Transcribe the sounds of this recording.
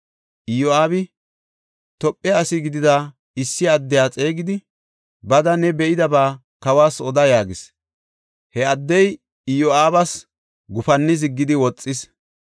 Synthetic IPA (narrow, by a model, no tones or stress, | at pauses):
ʔɪjoaːbɪ | t̪ɔpʼːɛɐsɪɡɪd̪ɪd̪a | ɪsːɪɐd̪ːɛjaːt͡sʼe̞ːɡɪd̪ɪ | bɐd̪ɐnɛbɛʔɪd̪ɐbaː | kɐwaːsɔd̪ɐjaːɡɪs | hɛɐd̪ːɛj | ɪjoaːbɐs | ɡʊfɐnːɪz̬ɪɡːɪd̪ɪwɔt͡sʼːɪs